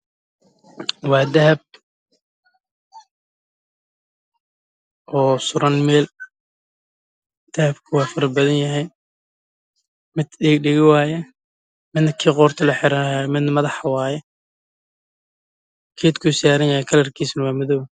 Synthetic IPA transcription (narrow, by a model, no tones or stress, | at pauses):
wɑːd̪ɐɦɐb̚ | ʔɔːsʊɾɐnmɛːl | d̪̥ɐhɐbkʰɐwɑːfɐɾɐbɐðɐnjɐɦɛj | mɪd̪ɪɡɖɪɣɪwaːjɛ | mɪd̪nɐkʰiːqɔːrt̪ʰɔlɐħɪɾamɪd̪nmɐðɑħwɑːjɛ | kʰeːt̪kʰʊsaːɾɐnjɐhɛjkʰɐlɐrkʰiːsnɐwɑːmɐðɔw